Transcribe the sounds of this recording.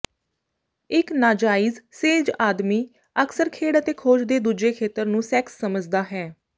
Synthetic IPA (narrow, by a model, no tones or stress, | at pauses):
ɪknaːd͡ʒaːiːzseːd͡ʒaːd̪miː | əkʰsəɾkʰeːɽət̪eːkʰoːd͡ʒd̪eːd̪uːd͡ʒeːkʰeːt̪əɾnũːsɛksːəməd͡ʒd̪aːɦɛː